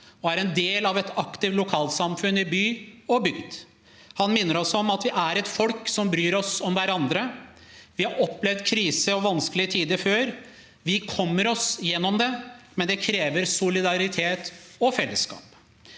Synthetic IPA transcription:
ɔæɾɛnd̪eːlɑʋɛt̪ɑkt̪ɪʋ̪lʊkʰɑːlt̪sɑmfʉnɪbyːɔbʏɡd̪ | hɑnmɪnːəɾɔsɔɔmɑt̪ʋɪʔæɾɛt̪fɔlksɔmbɾyːɾɔsɔmʋæɾɑnd̪ɾəʋɪhɑɾɔpːlɛʋd̪kʰɾiːsəɔʋɑnskəlɪət̪ʰiːd̪əføːɾ | ʋɪkʰɔmːəɾɔsjɛnːɔmd̪ɛmɛnd̪ɛkʰɾeːʋəɾsʊlɪd̪ɑɾɪt̪ʰeːt̪ɔfɛlːəskɑ̰ːp

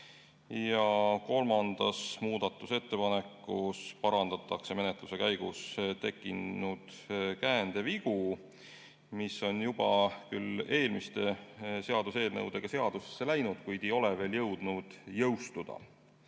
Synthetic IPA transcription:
jɑko̞lmɑnd̪̥ɑsmuːd̪̥ɑt̪ːˑuse̞t̪ːe̞pɑne̞kːˑuspɑɾɑnd̪̥ɑt̪ːˑɑkse̞me̞net̪ˑluse̞kæjɡ̥ust̪e̞kːˑinːud̪̥ | kæːnd̪̥e̞viɡ̥u | misːo̞njub̥ɑ̰kyle̞ːlmist̪e̞se̞ɑd̪̥use̞ːlnɤ̰wd̪̥e̞ɡ̥ɑse̞ɑd̪̥use̥sːe̞læjnud̪̥kujd̪̥e̞jo̞leve̞ːljɤ̞wd̪̥nud̪̥jɤwst̪ud̪̥ɑ̰

